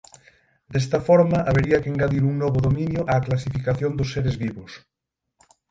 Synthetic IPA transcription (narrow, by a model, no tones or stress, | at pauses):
d̪ɛst̪ɐfɔɾmɐʔaβeɾiɐkeŋɡaðiɾuŋnɔβʊðomĩnjʊʔaːklas̬ifikaθjond̪ʊsːeɾezβiβʊs